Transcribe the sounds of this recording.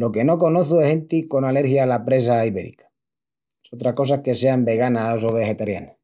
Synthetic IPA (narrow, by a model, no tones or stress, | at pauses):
lo̞ke̞no̞ko̞noθuesent̪iko̞nale̞ɾxjalapɾe̞s̬aiβe̞̰ɾḭkḁ | sot̪ɾako̞sake̞se̞ambe̞ɣanaso̞β̞e̞xe̞t̪aɾja̰na